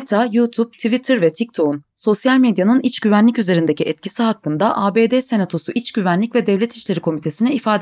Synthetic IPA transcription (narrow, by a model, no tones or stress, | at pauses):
t̪ʰajut̪ʰub̚t̪ʰivit̪ʰɯɾvɛt̪ʰic̚t̪ʰo̞unso̞sjalʲmed̪janɯnit͡ʃɟyvænlʲicyze̞ɾind̪ecʰiʔɛt̪cʰisiɦakːɯnd̪aʔaːbeːd̪ese̞nat̪ʰo̞suʔit͡ʃɟyvænlʲicvɛd̪ɛvlʲɛt̪ʰi̥ʃlʲe̞ɾikʰo̞mit̪ʰe̞sinɛifaːd̪